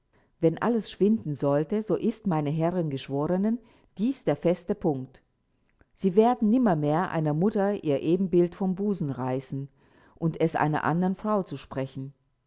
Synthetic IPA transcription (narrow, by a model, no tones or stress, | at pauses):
vɛnʔa̰ləsʃv̥ɪndn̩zɔltəzoːʔɪstmaɪnəɦɛʁɪnɡəʃv̥oːʁənən | d̥iːsd̥eːɐfɛstəpʰʊŋkt | z̥iːveːɐdn̩nɪmɐmeːɐʔa̰ɪnɐmʊtɐʔiːɐʔeːbm̩bɪltfɔmbuːzn̩ʁaɪsn̩ | ʔʊntʰɛsʔa̰ɪnɐ̰ʔa̰ndɐənfʁ̥aʊt͡suʃpʁ̥ɛçn̩